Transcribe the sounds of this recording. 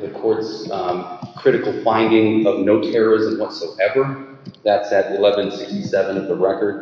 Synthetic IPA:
ðɨkʰɔɹts | kʰɹ̥ɪɾɨkl̩ˠfãɪ̃ndɪ̃ŋʌvnoʊtʰɛɹə˞ɪzə̃mwʌtsoʊʔɛvə˞ | ðætsɨɾ̚ɨlɛvɨ̃nsɪkstisɛvɨ̃nʌvðəɹɛkə˞d̥̚

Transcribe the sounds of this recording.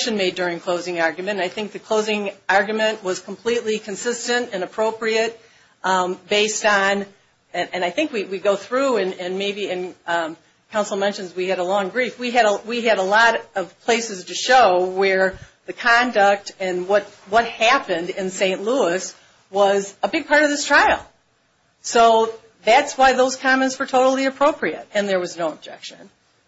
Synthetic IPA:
ʃɨ̃nmeɪdʊɹɪ̃ŋkʰl̥oʊzɪ̃ŋɑɹɡjmɨ̃ñnaɪθɪ̃ŋk̚ðɨkʰl̥oʊzɪ̃ŋɑɹɡjɨmɨ̃nʔwʌz̥kʰm̩pʰl̥itˡlikʰɨ̃nsɪstɨ̃ntɨ̃nɨpʰɹ̥oʊpɹiɨt̚ | b̥eɪstn̩ | ɨ̃ɨ̃naɪθɪ̃ŋkwiwiɡoʊθɹuɨ̃nɨ̃nmeɪbiɨ̃n | kʰãʊ̃nsl̩ˠmɛ̃nʃɨ̃nzwiɨɾəlɔ̃ŋbɹifwiɨɾəwiɨɾəlɔɾʌv̥pʰl̥eɪsɨz̥tʰɨʃoʊwə˞ | ðɨkʰɑ̃ndək̚tɨ̃nwʌt̚wʌt̚hæpɨ̃ndɪ̃nsẽɪ̃nʔluəs | wʌzəbɪɡ̚pʰɑɹɾʌvðɪstʰɹ̥aɪl̩ˠ | soʊ | ðætswaɪðoʊz̥kʰɑ̃mɛ̃ntswə˞tʰoʊɾl̩ˠiɨpʰɹ̥oʊpʰɹiɨɾ̚ɨ̃nðə˞wʌznoʊəb̚d͡ʒɛ̰kʃɨ̰̃n

